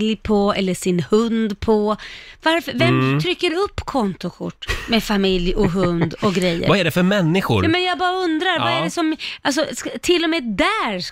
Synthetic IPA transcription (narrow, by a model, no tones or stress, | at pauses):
ljpʰɔɛlːəʂɪnhɵnd̪pʰɔvaɾfəvɛmt̪ʰɾʏkːəɾɵpːkʰɔnt̪ʊkʰʊ̰ʈːmefamɪljɔɦɵnd̪ɔɡɾɛjːə̰ɾvaæɖɛfœɾmɛnːɪɧʊ̰ɾɑːmɛnjɑːɡbɑːɾaɵnd̪ɾaɾvaæɖɛsɔmʔals̬ɔst̪ʰɪlːɔmɛːd̪æɾ